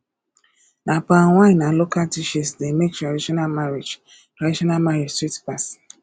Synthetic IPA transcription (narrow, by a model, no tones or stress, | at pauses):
napaŋʷaɲnalokaltiʃisdemek̚tɾadiʃɔnalmaɾed͡ʒ | tɾadiʃɔnalmaɾed͡ʒstɾitpas